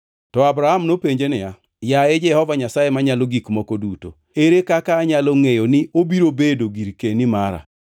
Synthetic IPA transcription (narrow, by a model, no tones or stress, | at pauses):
tɔabɾahamnopeɲd͡ʒenɪja | jaed͡ʒɛhɔvaɲasajemaɲaloɡikmokoduto̰ | eɾekakaːɲaloŋejonɪobiɾobedoɡiɾkenimaɾa̰